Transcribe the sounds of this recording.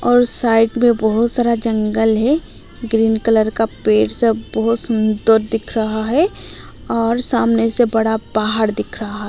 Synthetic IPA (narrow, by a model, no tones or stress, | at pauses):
ɔːɾsaːɪɖmẽbəɦʊt̪saːɾad͡ʒɐ̃ŋɡəlɦɛ | ɡɾiːnkələɾkapeːʈsebəɦʊt̪sɐnd̪oɾd̪ɪkʰɾɐɦaɦɛ | ɔːɾsaːmnesebɐɽabaːɦəɾd̪ɪkʰɾɐɦaɦɛ